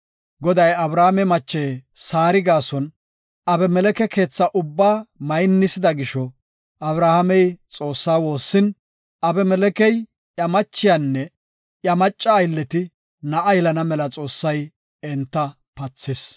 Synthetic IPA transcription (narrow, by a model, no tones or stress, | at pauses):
ɡɔd̪ɐjɐbɾaːhamɛmɐt͡ʃːeːsaːɾɪɡaːsɔn | ɐbɛmɛlɛkɛke̞ːt͡sːɐʔʊbːaːmɐjnːɪsɪd̪ɐɡɪʃɔ | ʔɐbɾaːhɐmɛjt͡sʼo̞ːsːaːwo̞ːsːɪn | ɐbɛmɛlɛkɛj | ʔjɐmɐt͡ʃːɪjanːɛ | jɐmɐt͡ʃʼːɐːjlːɛt̪ɪ | nɐʔɐjlɐnɐmɛlɐt͡sʼo̞ːsːɐj | ɛnt̪ːɐ | pɐt͡sːɪs